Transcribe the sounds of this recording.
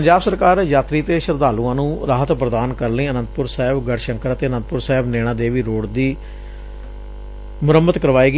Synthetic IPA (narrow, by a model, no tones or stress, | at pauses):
əɲd͡ʒaːbsəɾkaːɾjaːt̪ɾiːt̪eːʃəɾd̪aːlũːãːnũːɾaːɦət̪pɾəd̪aːnkəɾləĩːənənt̪pʊɾsaːɪbɡəɽʃəŋkəɾət̪eːənə̃nt̪̚pʊɾsaːɪbneːɽ̃ãːd̪eːʋiːɾoːɽd̪iː | mʊɾəmət̪kəɾʋaːeːɡ